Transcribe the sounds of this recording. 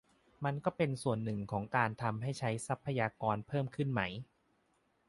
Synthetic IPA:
ma˧nkɔː˥˩pe˧nsu˨˩ənːɯ˨˩ŋkʰɔː˩˦ŋkaː˧nt̪ʰa˧mɦa˥˩jt͡ɕʰa˦˥jsa˦˥pʰːa˧jaː˧kɔː˧npʰɤː˥˩mkʰɯ˥˩nma˦˥j

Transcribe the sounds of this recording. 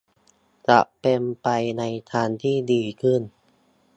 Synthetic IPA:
t͡ɕa̰˨˩ʔpe˧mpa˧jna˧jt̪ʰaː˧nt̪ʰiː˥˩diː˧kʰɯ˥˩n

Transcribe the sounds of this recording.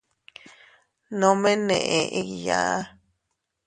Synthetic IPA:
nõ˨˦mẽ˦nḛ̃˨ʔẽ˨ʔĩ˦jã̰ː˨˦

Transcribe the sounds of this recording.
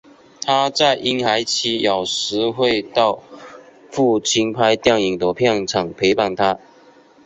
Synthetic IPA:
t̪ʰa˥t͡sa˥˩ɪʔi˥nxa˧˥ɪt͡ɕʰi˧˥jɑ˨˩ʊʂɻ̩˧˥xwe˥˧ɪt̪ɑ˥˧ʊ | fu˥˩t͡ɕʰi˥ŋpʰa˥ɪt̪jŋi˨˩ŋt̪ə˧˥pʰjɑ˥˩ŋʈ͡ʂʰɑ˨˩ŋpʰe˧˥ɪpa˨˩ŋt̪ʰa˦˥

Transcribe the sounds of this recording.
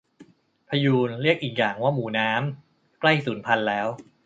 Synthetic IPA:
pʰa˧juː˧nɾi˥˩ək̚ʔiː˨˩k̬̚jaː˨˩ŋwaː˥˩muː˩˦naː˦˥m | kla˥˩jsuː˩˦npʰa˧nlɛː˦˥w

